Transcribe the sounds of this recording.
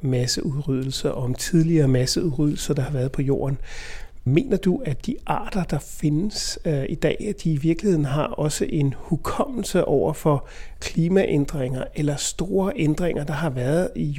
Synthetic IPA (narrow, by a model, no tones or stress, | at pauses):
mæsəʔuðˠʁyð̞ˠl̩sɐʔɒmt͡sʰið̞ˠliɐːmæsəuð̩ˠʁyð̞̰ˠl̩sɐd̥ɑ̈hɑ̈ʋæɐðˠpʰɒ̽jo̝̰ːɐn | me̝̰ːnɐd̥uæd̥iʔɑ̰̈ːd̥ɐd̥ɑ̈fe̝nəsid̥ɛ̰ːæd̥iːʋiɐɡ̥lihe̝ð̰ˠn̩ɦɑ̈ɒ̽səʔe̝nhukʰɒ̽m̰l̩səʔɒʊ̰ɐfɒ̽kʰliːmæʔend̥ʁeŋ̰ɐʔelɐsd̥o̝ːɐʔend̥ʁeŋ̰ɐd̥ɑ̈ɦɑ̈ʋæːɐðˠi